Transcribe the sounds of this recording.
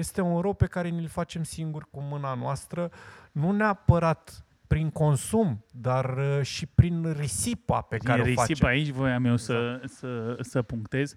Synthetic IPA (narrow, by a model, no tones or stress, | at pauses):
je̞st̪e̞unɾo̞pe̞kaɾe̞nilfat͡ʃe̞msiŋɡurkumɨnanoast̪ɾənuneapəɾat̪ | pɾiŋko̞nsumd̪arəʃipɾinrisipa̰pekaɾeeoɾifait͡ʃeait͡ʃʲvojamewsəsəsəpuŋkt̪e̞z